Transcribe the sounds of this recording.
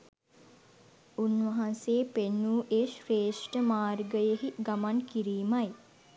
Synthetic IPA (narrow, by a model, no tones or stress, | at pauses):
unʋaɦanseːpenːuːʔeʃɾeːʂʈəmaːrɡəjəɦiɡamankiɾiːmaj